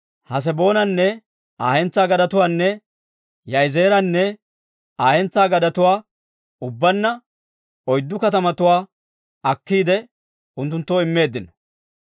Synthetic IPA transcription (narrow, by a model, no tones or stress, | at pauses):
hɐs̬ɛbo̞ːnɐnːɛ | aːhɛnt͡sːaːɡɐd̪ɐt̪ʊwaːnːɛ | jɐjzeːɾɐnːɛ | aːhɛnt͡sːaːɡɐd̪ɐt̪ʊwaː | ʊbːɐnːɐ | ɔjd̪ːʊkɐt̪ɐmɐt̪ʊwaː | ɐkːiːd̪ɛ | ʊnt̪ːʊnt̪ːoːɪmːe̞ːd̪ːɪnɔ̥